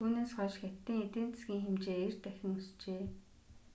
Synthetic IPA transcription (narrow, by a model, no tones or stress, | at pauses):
uːneːsχɔʃxet̪ːiːŋet̪eːn̥t͡ssɡʲiːŋxemt͡ɕeːert̪æxʲɪ̆ŋust͡ɕeː